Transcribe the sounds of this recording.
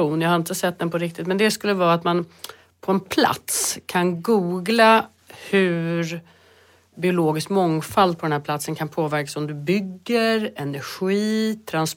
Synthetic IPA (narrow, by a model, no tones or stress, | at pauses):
uːnjahaɾɪnt̪əsɛt̪̚ːd̪ɛnpʰɔɾɪk̚t̪ɪt̪mɛnd̪ɛskɵlːəvɑːat̪man | pʰɔɛnpʰla̰t̪skʰanɡuːɡla | hɵɾ | bɪʊloːɡɪskmɔŋfald̪̚pʰɔd̪ɛnhæɾpʰlat̪sənkʰanpʰoːvæɾkḁsɔmd̪ɵbʏɡːəɾɛnæɾɧiːt̪ʰɾans